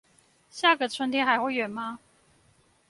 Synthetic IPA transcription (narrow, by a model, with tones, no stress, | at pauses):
ɕja˥˩ɡə˨˩t͡sʰwə˧˥nt̪ʰjɛ˥nxa˧ɪxwe˥˩ɪɥɛ˨˩nma˦